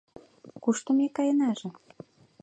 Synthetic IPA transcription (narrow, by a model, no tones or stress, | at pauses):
kuʃt̪ə̆mekɑjə̆nɑʒĕ